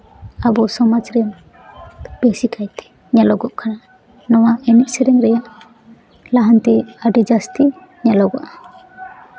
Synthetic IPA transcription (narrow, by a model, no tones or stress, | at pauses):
abɔsɔmad͡ʒɾɛn | b̥ɛsikʰajt̪ɛ̥ | ɲalɔɡɔʔkʰana | nɔwaɛniʔ̚sɛɾɛŋɾɛjaʔ | laɦant̪iaɖid͡ʒast̪i | ɲalɔɡɔʔa